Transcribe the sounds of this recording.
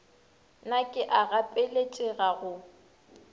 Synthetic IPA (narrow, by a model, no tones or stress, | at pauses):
nakʼɪʔaɣapʼelet͡ʃʼɛɣaɣʊ